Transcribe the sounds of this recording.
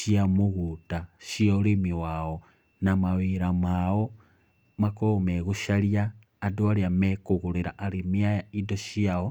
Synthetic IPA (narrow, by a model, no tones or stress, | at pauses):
ʃiamuɣutaʃiolimiwawo | namaβiɾamawo | makomeɣuʃaljaː | doaljamekuɣuɾiɾaʔːɾimiajaidoʃiao